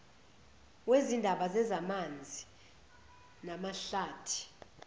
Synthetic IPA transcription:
wezindʱaɓazɛzamand͡zʱi | namaɬaːtʰi̥

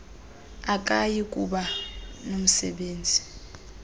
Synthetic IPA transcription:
ak̬ʼajik̬ʼuɓanom̩sɛɓeːnd͡zʱi

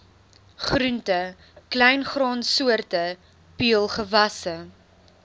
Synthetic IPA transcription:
χɾʉntə | klɛjnχrɑːnsuərtə | piəlˠχəvɐsə

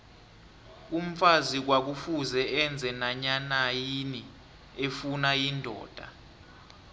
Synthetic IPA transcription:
um̩fazik̬wak̬ufuzɛɛnd͡zʱɛnaɲanajini | efunajindʱɔ̰ːd̥ʱa̰

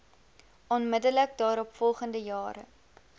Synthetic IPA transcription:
ɔnmədələkdɑːɾɔpfɔlˠχəndəjɑːɾə̰

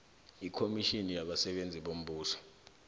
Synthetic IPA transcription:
ikʰomiʃinijaɓasɛɓend͡zʱiɓom̩ɓuːsɔ̥

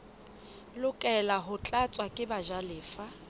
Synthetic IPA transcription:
lʊkʼɛlaɦʊt͡ɬʼat͡sʼwakʼɪbaʒalɪːfa

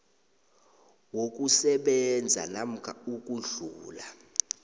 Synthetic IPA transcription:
wok̬ʼusɛɓɛnd͡zʱa̰nam̩kʰauk̬ʼuɮuːla

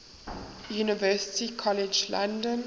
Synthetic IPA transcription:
juːnɪvɜsɪ̥tikʰɔlɪd͡ʒlã̰ndə̃n

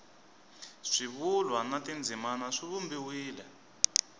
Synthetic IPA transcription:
ʂiβulwanatind͡zʱimanaʂiβumbiwiːlɛ

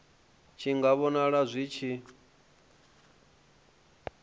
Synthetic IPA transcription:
t͡ʃʰiŋɡaβɔnaɺazʷit͡ʃʰi

